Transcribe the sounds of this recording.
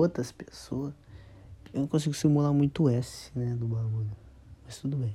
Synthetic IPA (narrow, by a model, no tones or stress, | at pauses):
ot̪ɾɐspesoɐs | ewnɐ̃w̃kõsiɡʊsimulamũj̃t̪ʊɛsɪnɛd̪ʊbaɡuʎʊ | mɐst̪ud̪ʊbẽj̃